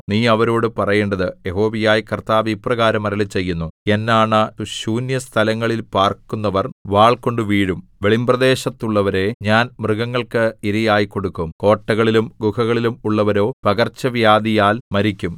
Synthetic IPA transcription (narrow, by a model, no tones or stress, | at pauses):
niːɐʋɐɾo̞ːɽɨpɐrɐjeːɳɖɐðɨjeɦo̞ːʋijaːjkɐrt̪aːʋiprɐɣaːɾɐmɐɾɐlɐt͡ɕe̞jːunːue̞nːaːɳɐɕuːnjɐst̪ʰɐlɐŋːɐɭilpaːrkːunːɐʋɐrʋaːɭko̞ɳɖɨʋiːɻumʋeɭimbrɐd̪e̞ːɕɐt̪ːuɭːɐʋɐɾe̞ɲaːnmrɨɣɐŋːɐɭkɨiɾɐjaːjiko̞ɽukːumko̞ːʈːɐɣɐɭilumɡuhɐɣɐɭilumuɭːɐʋɐɾo̞ːpɐɣɐrt͡ɕːɐʋjaːd̪ijaːlmɐɾikʲːum